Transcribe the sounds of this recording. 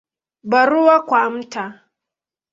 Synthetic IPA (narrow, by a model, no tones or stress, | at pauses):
baɾʊwakʷamta